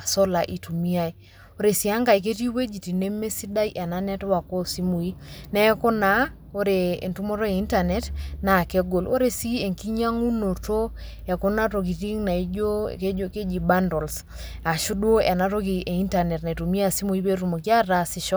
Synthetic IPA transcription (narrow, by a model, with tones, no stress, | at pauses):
a˨so˦la˨ʔi˨tu˨mi˦a˦i˨ | o˦ɾe˨si˨a˦ŋɡa˨i˨k̬e˦ti˦we˦d͡ʒi˨ti˨ne˦me˦si˦da˦i˦ʔɛ˨na˦nɛ˦twa˨ko˦si˦mu˨i˦nɛ˦ko˦na˦ | o˦ɾe˨ḛ˨ntu˦mo˦ɾɔ˦e˨i˦nta˨nɛ˨tna˨ke˦ɡo˨lo̰˦ɾe˨si˦e˨ŋki˦ɲa˦ŋu˦no˨to˦ | ɛ˨ko˦na˦to˨k̬i˨ti˦ŋna˨i˦d͡ʒo̰˦˨ke˦o˦ke˦d͡ʒi˨ba˦ndɔ˨ls | a˨ʃu˦do˦ʔɛ˨na˦to˦k̬i˨ʔe˨i˦nta˨nɛ˨tna˨i˨tu˨mi˦a˦˨si˦mu˨i˦pe˦ɾu˨mo˨kja˦ɾa˦si˦ʃɔ˦